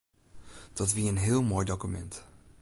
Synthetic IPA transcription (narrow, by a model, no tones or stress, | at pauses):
d̥ɔtʋiəənɦɪəlˠmoːjdokymɛ̰nt